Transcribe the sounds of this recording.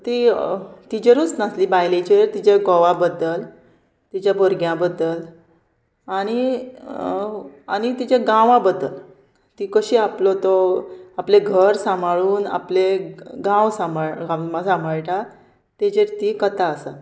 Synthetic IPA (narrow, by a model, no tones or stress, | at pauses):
t̪it̪id͡ʑeɾut͡snasliːbajlet͡ɕeɾt̪it͡ɕeɡɔʋãbəd̪əl | t̪it͡ɕjabʱoɾɡjãbəd̪əl | aɽ̃i | añit̪it͡ɕẽɡãʋãbəd̪əl | t̪iːkəɕiːaplɔt̪ɔapleɡʱəɾsãmaɭuːna̰pleɡãwsamɡãmasãmbʱaɭʈa | t̪ed͡ʑeɾt̪iːkət̪aəsa̰